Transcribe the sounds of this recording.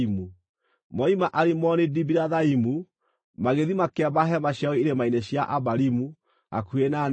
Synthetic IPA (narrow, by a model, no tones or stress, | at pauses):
imu | mɔimaʔaɾimɔnidibiɾaðaimu | maɣeðimakɛβaɦɛmaɕjaɣeiɾemaineɕjaʔaβaɾimu | a̰kuena